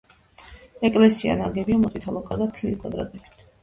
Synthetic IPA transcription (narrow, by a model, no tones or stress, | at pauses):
ɛkʼlɛsia̰naɡɛbiamɔt̪ʼit̪ʰalˠɔkʼaɾɡat̪ʰlikʼad̪ɾa̰d̪ʼɛpit̪ʰ